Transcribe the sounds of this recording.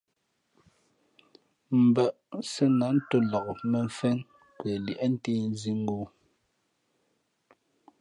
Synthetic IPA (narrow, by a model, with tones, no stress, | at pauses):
m̩˨ba˨ʔsɛ˦na˨˦n̩˦to˦lɔ˨kmɛ˨ɱ˨fɛ˦n | kwɛ˨li˨ʔɛ˦n̩˦te˦n˦zi˦ŋ̩˦ɡoː˦